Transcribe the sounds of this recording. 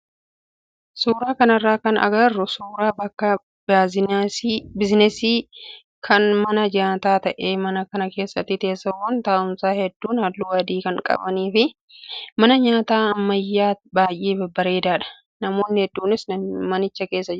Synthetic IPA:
suːɾaːkɐnɐrːaːkɐnɐ̰ɡɐrːʊsuːɾaːbɐkːɐ | bɪznɛsiː | kʰɐnmɐnɐd͡ʒaːt̪aːt̪ɐʔeːmɐnɐkɐnɐke̞ːsːɐt̪ːɪt̪e̞ːsːɐwɐnt̪aːʔʊmsaːhɛd̪ːuːnhɐlːuːɐd̪iːkɐŋkʼɐ̰bɐniːfɪ | mɐnɐɲaːt̪aːɐmːɐjːaːbaːjʔːiːbɐbːɐɾe̞ːd̪aːᶑɐ̥ | nɐmo̞ːnːɪhɛd̪ːuːnɪsnmɐnɪt͡ʃːɐke̞ːsːɐd͡ʒɪɾ

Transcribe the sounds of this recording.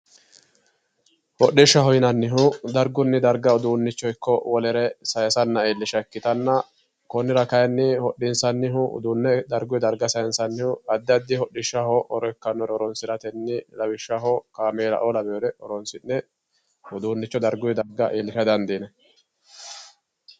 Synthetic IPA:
hɔɗːɪʃːɐhɔjnɐnːɪɦʊd̪ɐɾɡʊnːɪd̪ɐɾɡɐʊd̪uːnːɪt͡ʃːɔjkʰːɔwɔlɛɾɛsɐjɐsɐnːɐeːlːɪʃɐkːɪt̪ɐnːɐ | kɔnːɪɾɐkɐjnːɪhɔɗːɪnsɐnːɪɦʊʊ̰d̪unːɛd̪ɐɾɡʊjd̪ɐɾɡɐsɐjɐnsɐnːɪhʊɐd̪ːɪɐd̪ːɪhɔɗːɪʃːɐhɔʔɔɾɔkːɐnːɔɾɔɾɔnsɪɾɐt̪ɛnːɪlɐwɪʃːɐhɔkaːmeːlɐ̰ʔɔlɐbɛjɔɾɛʔɔɾɔnsɪnːɛ | ʊd̪uːnːɪt͡ʃːɔd̪ɐɾɡʊjɛd̪ɐɾɡɐʔeːlːɪʃɐd̪ɐnd̪iːnɛ

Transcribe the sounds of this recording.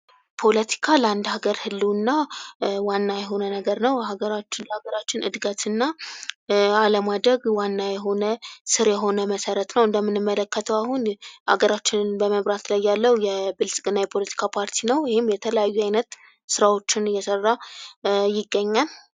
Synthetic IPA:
pʰo̞lət̪ʰi̥kʰaləand̪haɡəɾhɨlːunːawanːajɛɦo̞nənəɡəɾnəwɦaɡəɾat͡ʃːlhaɡəɾat͡ʃːɪnɨd̪ɡət̪ʰɨnːa | aləmad̪ɾəɡwanːajɛɦo̞nəsɨɾjɛɦo̞nəməsəɾət̪nəwɨnd̪əmːɨnɨmːələkːət̪ʰəwaɦunʔa̰ɡəɾat͡ʃːɪnbəməβɾat̪lajːalːəwujɛbɨlsʼɡʼɨnːajɛpʰo̞lət̪ʰi̥kʰapʰaɾt̪ʰinəwjɪhɪmjɛt̪ʰələjajːuajnət̪ | sɨɾawo̞t͡ʃːɪnjɛsərːa | jɪɡːəɲːal

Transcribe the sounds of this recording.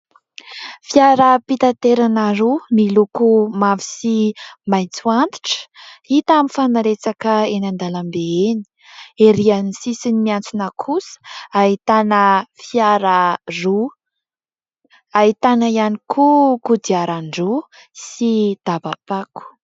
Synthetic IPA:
fiaɾəpit̪at̪eɾanaɾumilukumavisimajnt͡suant̪i̥ʈ͡ʂə̥it̪aminfanaɾet͡sakəenand̪alambeeni̥ | eɾianisisinimiant͡sunəkʰusə̥ait̪anəfiaɾəru | ait̪anaianikʰukud̪iaɾaɳɖ͡ʐu | sid̪̥abapaku̥

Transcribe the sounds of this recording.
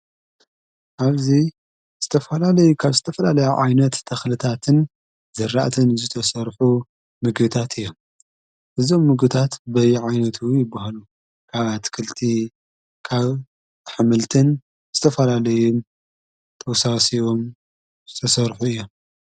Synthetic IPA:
ʔaβzi | z̥ɨt̪ʰɐfɐlalɐjukʰaβzɨt̪ʰɐfɐlalɐjaʕa̰jnɐt̪ʰːɐxlɨt̪ʰat̪ʰɨn | zɐɾa̰ʔt̪ʰɨnzɨt̪ʰɐsɐɾħu | mɨɡbɨt̪ʰat̪ɨjːo̞m | ʔɨzo̞mːɨɡbɨt̪ʰat̪bɐjʕajnɐt̪ʰujɪbːahalu | kʰaβat̪ʰkʰɨlt̪ʰi | kʰaβ | ħɨmɨlt̪ʰɨn | z̥ɨt̪ʰɐfɐlalɐju | t̪ʰʼɐwsasijom | zɨt̪ʰɐsɐɾħuɨjːo̞m

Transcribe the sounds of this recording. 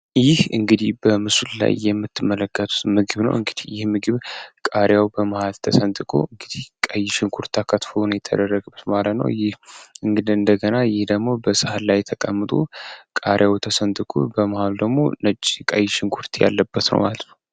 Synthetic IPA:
jɪhɨŋɡɨd̪ihbəmɨsulla̰jːɛmːɨt̪ʰːɨmːələkʰːət̪ʰʼu̥t̪mɨɡɨβnə̰wʔɨŋɡɨd̪ihjɪhmɨɡɨβkʼaɾjawbəməhalt̪ʰəsənt̪ʼɨkʼo̰ɨŋɡɨd̪ihkʼəjːɪʃɪŋkʰuɾt̪ʰːakʰət̪fəlunjɛt̪ʰːə̰d̪ərːəɡbɨt̪malət̪nə̰wjɪhɨŋɡɨd̪iɨnd̪əɡənajɪhd̪əɡmo̞bəsɨhalajt̪ʰəkʼəmːɨt̪ʼṵkʼaɾjawt̪ʰəsənt̪ʼɨkʼo̰bəməhald̪əɡmo̞̰nət͡ʃʼːkʼəjːɪʃɪŋkʰuɾt̪ʰja̰lːəbːət̪nə̰wma̰lət̪nəw

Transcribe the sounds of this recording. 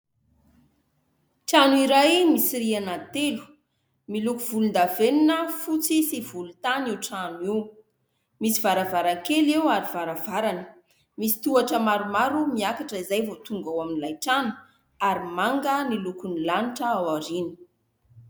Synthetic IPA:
ʈ͡ʂanuiɾajmisirianat̪elu̥ | milukuvulund̪aveninəfut͡sisivulut̪aniwʈ͡ʂanwiw | misivaɾavaɾakelewaɾivaɾavaɾanə | misi̥t̪uaʈ͡ʂəmaɾumaɾumiakaʈ͡ʂəizajvot̪uŋɡawaminilajʈ͡ʂanu̥ | aɾimaŋɡənilukunilaniʈ͡ʂəawaɾini̥

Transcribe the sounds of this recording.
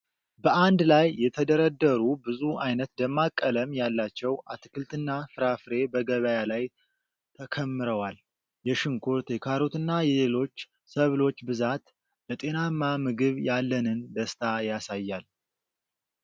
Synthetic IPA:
bəʔand̪lajːɛt̪ʰəd̪əɾəd̪ːəɾubɨzuajnət̪d̪əmːakʼːələmjalːat͡ʃːɛwʔat̪ʰɨkʰɨlt̪ʰɨnːafɨɾafɾe̞bəɡəβəjalaj | t̪ʰəkʰəmːɨɾəwal | jɛʃɨŋkʰoɾt̪ʰekʰaɾo̞t̪ɨnːajɛlelo̞t͡ʃː | səβlo̞t͡ʃːbɨzat̪ | lət̪ʼe̞namːamɨɡɨβjalːənɨnd̪əst̪ʰajasajːal

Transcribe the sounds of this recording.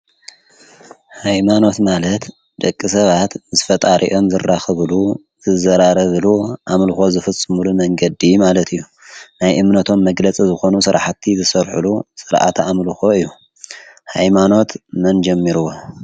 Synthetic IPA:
hajmano̞t̪malɐt̪ | d̪̥ɐkʼːisɐβat̪zɨfɐt̪ʼaɾʔḭʔo̞mzɨrːaxɨβlu | z̥ɨzɐɾaɾɐβluʔamlɨxo̞zɨfɐt͡sʼːɨmulumɐŋɡɐd̪imalɐt̪ʰɨjːu | najʔɨmnɐt̪ʰo̞mːɐɡlɐt͡sʼizɨxo̞nusɨɾa̰ħat̪ʰːizɨsɐɾħulusɨɾʔa̰t̪ʰamluxo̞ɨjːu | hajmano̞t̪mɐnd͡ʒɐmːiɾuwo

